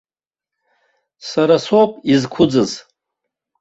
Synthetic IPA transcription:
saɾasopʼizkʷʰʊd͡zɨz

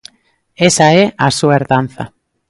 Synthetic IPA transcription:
esaeʔasueɾðanθa̰

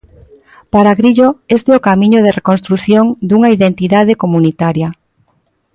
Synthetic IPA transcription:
paɾaɣɾiʎoest̪eokamĩɲoð̞erekonst̪ɾuθjoŋd̪uŋaiðent̪iðað̞ekomunit̪aɾja

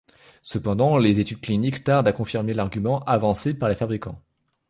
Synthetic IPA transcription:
səpɑ̃d̪ɑ̃lezet̪yd̪̚klinikt̪aʁd̪akɔ̃fiʁmelaʁɡʲymɑ̃ʔavɑ̃sepaʁlefabʁikɑ̃

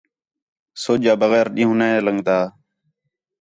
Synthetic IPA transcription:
soːd͡ʒaːbəɣɛːɾɗĩːɦũːnaːeːləŋɡd̪aː

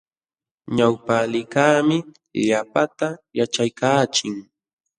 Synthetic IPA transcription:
ɲawpalɪkaːmɪ | ʎapat̪ajat͡ʃajkaːt͡ʃɪŋ

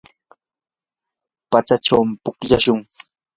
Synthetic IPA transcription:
pat͡sat͡ʃawmɪpʊkʎaʃʊŋ

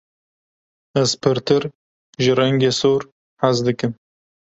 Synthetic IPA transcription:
ɛzpʰɨɾt̪ʰɨɾ | ʒɪrɛŋɡeːsoːɾ | ħazd̪ɨkɨm

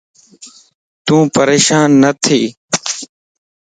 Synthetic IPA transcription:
t̪ũːpəɾeːʃaːnːət̪ʰiː

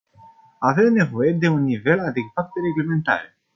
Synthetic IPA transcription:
ave̞mne̞vo̞je̞d̪e̞unːive̞lad̪e̞ɡvap̚t̪eɾe̞ɡleme̞nt̪a̰ɾe

